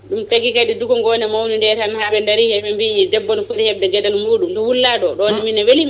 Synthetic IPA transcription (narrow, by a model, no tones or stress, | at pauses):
ɗumpeɡikaɗiduɡɔŋɡɔnɛmawnindɛɾhanhaɓɛndaɾihɛɓɛmbidɛbːɔnɔfuɾihɛb̚dɛɡɛdalmuːɗumtɔwulːaɗɔɗɔnɛminːawelim